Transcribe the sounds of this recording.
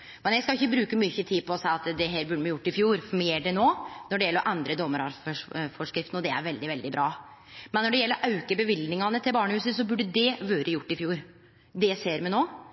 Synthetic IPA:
mɛnjæskɑɪçːəbɾʉːkəmʏçːət̪ʰiːpʰɔːsæɪɑt̪d̪ɛɦeːɾbʉɖːəmɛjʊʈːɪfjuːɾfmɪɛːɖɛnoːnɔɖɛjɛlːɾɔʔɛnd̪ɾəd̪ɔmːəɾɑɾʂfɔʂkɾɪft̪nɔd̪ɛæ̰ɾʋɛld̪ɪʋɛld̪ɪbɾɑː | mɛnːɔɖɛjɛlːəɾʔɑʉkəbɛʋɪlnɪŋɑnət̪ʰɪlbɑːɳəhʉːsəsɔbʉɖːəd̪ɛʋøːɾəjʊʈːɪfjuːɾ | d̪ɛseːɾmɛnoː

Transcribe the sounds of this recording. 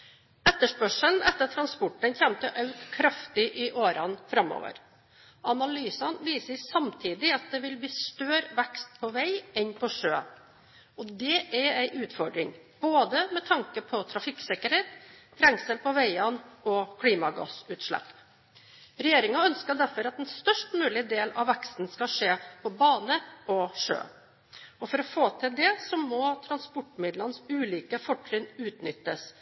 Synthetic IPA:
ɛt̪ːəʂpœʂənɛt̪ːət̪ʰɾɑnspɔʈːənçɛmt̪ʰəʔɑʉt̪kʰɾɑft̪ɪʔɪʔoːɾɑnfɾɑmːɔ̰ʋə̰ɾ | ɑnɑlyːsɑnʋiːsəɪsɑmt̪ʰiːd̪ɪɑt̪̚d̪ɛʋɪlbiːst̪øːɾʋækst̪̚pʰɔʋæɪɛnpʰɔʂøː | ɔd̪ɛʔæɾæɪʔʉːt̪fɔɖɾɪŋ | b̥oːd̪əmɛt̪ʰɑŋkəpʰɔt̪ʰɾɑfɪksɛkəɾheːt̪ʰ | ɾɛŋksəlpɔʋæɪɑnɔkʰɽiːmɑɡɑ̰sʉːt̪ʂɭæ̰pː | ɾɛjeːɾɪŋɑœnskəɖ̪æɾfɔɾɑt̪ɛnst̪œʂʈmʉːlɪd̪eːlɑ̰ʋʋækst̪n̩skɑʂeːpʰɔbɑːnəɔʂø̰ː | ɔfɔɾɔfoːt̪ʰɪld̪ɛsɔmɔt̪ʰɾɑnspɔʈːmɪd̪lɑnəsʉːliːkəfɔʈʰːɾɪnʉːt̪nʏt̪ːəs

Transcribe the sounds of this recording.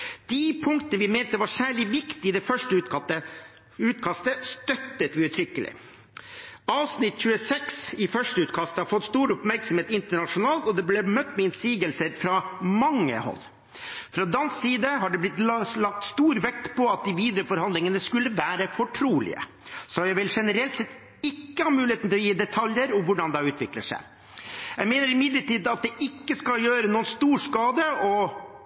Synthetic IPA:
d̪̥ɪpʰʊŋkt̪ənəʋɪment̪əʋɑsæːɭɪʋɪkt̪ɪɪd̪ɛfœʂʈəə | ʉːt̪kʰɑst̪əst̪œt̪ːət̪ʋɪʉt̪ʰɾʏkːəlɪ̰ | ɑːʋsnɪt̪ːc͡çʉːəsɛksɪfœʂʈəʉːt̪kʰɑst̪əhɑɾfɔt̪ːst̪uːɾʊpmæɾksɔm̩heːt̪ɪnt̪əɳɑʂʊnɑːlt̪ɔd̪ɛblɛmœt̪ːmɛɪnsiːɡəlsəɾfɾɑmɑŋːə̰hɔ̰lː | fɾɑd̪ɑnssiːd̪əɦɑɖɛblɪt̪ːlɑk̚t̪st̪uːɾʋɛk̚t̪pʰɔɑt̪̚d̪ɪʋiːd̪ɾəfɔɾhɑnd̪lɪŋənəskʉlːəʋæːɾəfɔʈʰɾuːlɪ̰ə̰ | sɔjæɪʋɪlʂɛnəɾɛlt̪sɛt̪ː | ɪkːəhɑt̪mʉːlɪeːt̪n̩ɪlɔjiːd̪ɛt̪ʰɑljəɾɔmʋʊɖɑnd̪ɑʉːt̪ʋɪkləʂæ̰ɪ | jæɡmeːnəɾɪmɪd̪ləʈiːd̪ɑt̪̚d̪ɛʔɪkːəskɑljøːɾənuːənst̪uːʂkɑːd̪əɔ

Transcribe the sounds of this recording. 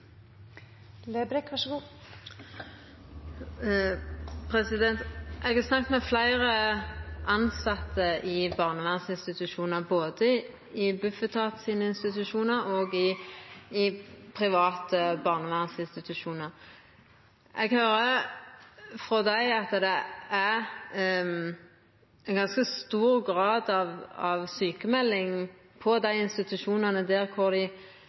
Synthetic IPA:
lebɾɛkʋɑʂəɡuː | pʰʁɛsɪd̪ɛnt̪ʔɛɡɑsnɑk̚t̪mɛflæɪʁəʔɑnsɑt̪ʰːəʔɪbɑːʁnəʋæʁnsɪnst̪ɪt̪ʉʃuːnəʁboːd̪ə | ɪbʉfət̪ʰɑːt̪siːnəɪnst̪ɪt̪ʉʃuːnəʁoːɡɪ | ɪpʰʁɪʋɑːt̪əbɑʁnəʋænsɪnst̪ɪt̪ʉʂuːnəʁ | ʔɛɡhøːɾə | fɾɔd̪æɪɑt̪ːd̪ɛæʁ | ɛnɡɑnskəst̪uːɾɡʁɑːd̪ɑʋɑʋsyːkəmɛlːɪŋ | pʰɔd̪æɪɪnst̪ɪt̪ʉʃuːnɑnəd̪ɛːʁkʰʊʁd̪ɪ

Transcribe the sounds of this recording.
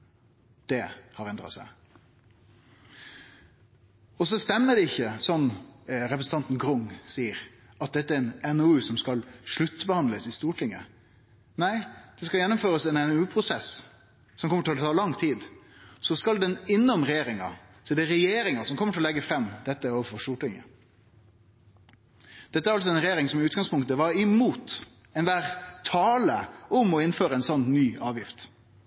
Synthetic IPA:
d̪̥ɛhɑɾɛnd̪ɾɑ̰sæ̰ɪ | ɔsɔst̪ɛmːəɖɛɪçːəsɔnːɾɛpɾəsn̩t̪ɑnt̪n̩ɡɾʊŋsiːəɾ | ɑt̪̚d̪ɛt̪ːəæɾɛnɛnoʉsɔmskɑlʂɭʉt̪ːbəhɑnd̪ləsɪst̪uːʈʰɪŋːə | næɪd̪̥ɛskɑljɛnːʊmføːɾəsɛnɛnʉːpʰɾʊsɛs | sɔmkʰɔmːəʈɪlɔt̪ʰɑːlɑŋt̪ʰiːd̪sɔskɑld̪ɛnɪnːɔmɾɛjeːɾɪŋɑ̰sɔɛɖɛɾɛjeːɾɪŋɑsɔmkʰɔmːəʈʰɪlɔlɛɡːəfɾɛmːd̪ɛt̪ːəoːʋəfɔɾst̪uːʈɪŋːə̰ | d̪̥ɛt̪əæɾɑlsɔɛnɾɛjeːɾɪŋsɔmɪʉːt̪ɡɑŋspʊŋkt̪əʋɑɾɪmuːt̪ | ɛnʋæːɾt̪ʰɑːləɔmɔɪnføːɾəɛɪnsɔnːnːyːɑːʋjɪft̪

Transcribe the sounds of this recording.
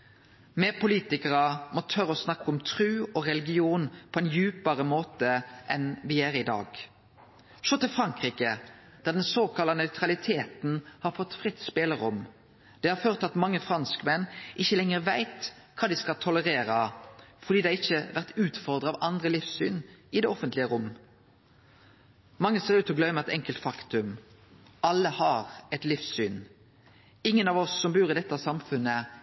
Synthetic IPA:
mɛpʊliːt̪ɪkəʁɑmɔt̪ʰœɾəɔsnɑkːɔmt̪ʰʁʉːɔʁɛlɪɡɪuːnpʰɔɛnjʉːpəʁəmoːt̪əʔɛnʋɪjæːɾɪd̪ɑ̰ːɡ | ʃoːt̪ɪlfʁɑŋkʁiːkə | d̪̥æʁd̪ɛnsoːkʰɑlːɑnœʉt̪ʁɑlɪt̪ʰeːt̪n̩hɑɾfɔt̪ːfʁɪt̪ːspeːləɾʊm | d̪̥ɛhɑɾføːʁt̪ɑt̪mɑŋːəfʁɑnskəmɛnːʔɪçːəlɛŋəʁʋæɪt̪ | kʰɑːd̪ɪskɑlt̪ʰɔləʁeːɾɑfɔʁd̪iːd̪ɛɪçːəʋæʁt̪ʉːt̪fɔʁd̪ʁəɑʋɑnd̪ʁəlɪfsyːnɪd̪ɛɔfənt̪lɪəʁʊmː | mɑŋːəseːɾʉːt̪ɔɡlœʏməɛt̪ɛŋkəlt̪fɑkt̪ʉm | ɑlːəhɑʁɛt̪lɪfsyːn | ɪŋːənɑʋɔsːɔmbʉːɾɪd̪ɛt̪ːɑsɑmfʉnːə

